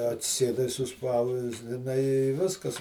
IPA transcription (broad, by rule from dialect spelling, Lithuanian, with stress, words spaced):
ɐtʲsʲɪˈsʲeːdɐɪ sʊˈspɐʊzʲdʲɪnɐɪ ɪ ˈʋʲɪskɐs